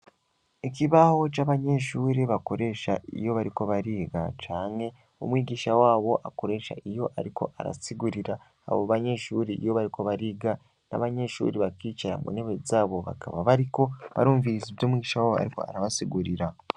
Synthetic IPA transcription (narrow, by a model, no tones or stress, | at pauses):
ikiβaho̞t͡ʃaβaɲe̞ʃuːɾeβako̞ɾe̞ʃa̰ḭjo̞βaɾiko̞βaɾiːɡa̰t͡ʃaːŋe̞ | o̰mwiːɡiːʃawaːβo̞ʔako̞ɾe̞ʃa̰ijo̞ʔaɾikʰo̞ʔa̰ɾa̰siɡuɾiɾa | a̰βoβaɲe̞ʃuːɾiḭjo̞βaɾiko̞βaɾiːɡa | na̰βaɲe̞ʃṵːɾeβakiːt͡ʃaɾa̰mṵneβezaːβo̞βa̰kʰa̰βaβaɾiko̞βa̰ɾuːɱviziβɟoːmwiɡɟiʃawoa̰ɾiko̞̰a̰ɾaβasiɡuɾiɾa